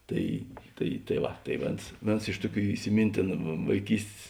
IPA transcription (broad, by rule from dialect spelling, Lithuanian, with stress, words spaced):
ˈtɐɪ ˈtɐɪ tɐɪ ˈʋɐ tɐɪ ˈʋʲeːns ˈʋʲeːns ˈɪʃ tʊˌkʲuː ɪsʲɪˈmʲiːnʲtʲeːnʊ ʋɐɪˈkʲiːsʲtʲeːs